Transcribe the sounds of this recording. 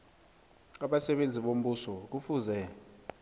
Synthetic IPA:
aɓasɛɓend͡zʱiɓom̩ɓusɔk̬ufuːzɛ

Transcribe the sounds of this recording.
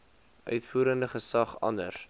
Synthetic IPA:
ʔœ̰ɥtfuːɾəndəχəsɐχɐ̰nə̰r

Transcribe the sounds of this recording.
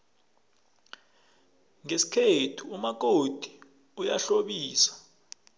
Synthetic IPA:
ŋesi̥kʰetʰuumak̬od̥ʱi̥ | ujaɬoɓiːsḁ

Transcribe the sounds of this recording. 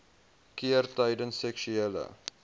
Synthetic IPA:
kiərtɐjdənsɛkʃyɛlə̰

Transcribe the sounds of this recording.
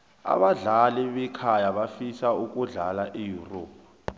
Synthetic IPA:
a̰ɓaɮalɛɓɛkʰajaɓafisauk̬ʼuɮalaʔijuro̰ːp̚ʰa

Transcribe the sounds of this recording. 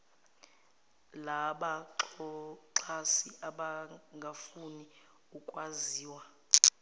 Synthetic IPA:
laɓaǁɔǃʰasiaɓaŋɡʱafuni | ukʼwaziːwa

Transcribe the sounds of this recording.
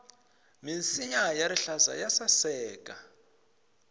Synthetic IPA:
minsiɲajaɾiɬaza̰jasasɛːkʼa

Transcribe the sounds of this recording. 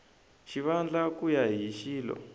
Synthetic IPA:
ʃiβand͡ɮakujaɦiʃiːlɔ̰

